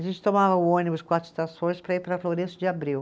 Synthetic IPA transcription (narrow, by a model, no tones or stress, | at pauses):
aʒẽnt͡ʃɪ̥t̪omavɐʊõnibʊskwat͡ʃ̪i̥t̪asõj̃spɾɐipɾɐfloɾẽsʊd͡ʒɪabɾiw